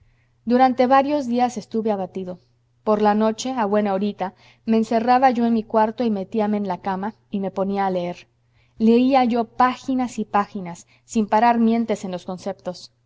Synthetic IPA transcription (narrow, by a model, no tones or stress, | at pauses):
d̪uɾant̪e̞βaɾjo̞zðiase̞st̪uβe̞aβat̪iðo̞ | po̞ɾlano̞t͡ʃe̞aβwe̞naoɾit̪a | me̞ːnse̞raβaʝo̞enmikwaɾt̪o̞ime̞t̪iame̞ːnlakama | ime̞po̞niaːleeɾ | le̞iaʝo̞paxinasipaxinasː | impaɾaɾmje̞nt̪e̞se̞nlo̞sko̞nse̞pt̪o̞s